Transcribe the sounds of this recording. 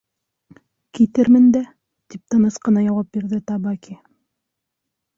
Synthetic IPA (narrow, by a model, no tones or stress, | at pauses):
kit̪ɘɾmɘnd̪æ | t̪ip̚t̪ɤ̆nɤsqɤ̆nɑjɑwɑp̚biɾðɘt̪ɑbɑkʲi